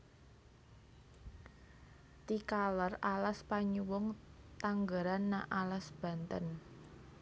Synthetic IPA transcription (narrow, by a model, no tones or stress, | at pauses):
t̪ikaləralaspaɲuwʊŋt̪aŋɡaɾanːaʔalasb̥ä̤nt̪ən